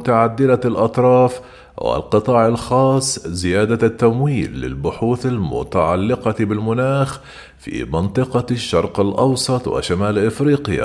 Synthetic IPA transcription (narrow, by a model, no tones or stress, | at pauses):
t̪aʕad̪ːɪlalʔɑt̪ˤɾˤɑːf | wɪ̰lqɨt̪ˤɑːʕɪlxɑːsˤːzɪjaːd̪at̪ːamwiːlːɪ̰lbʊħuːθalmʊ̰t̪aʕalːɪqɑbɪlmʊnaːx | fḭːmɑnt̪ˤɨqɑʃːɑ̰ɾˤqɪlʔɑwsˤɑt̪ˤwa̰ʃamaːlʔɪfɾiːqja̰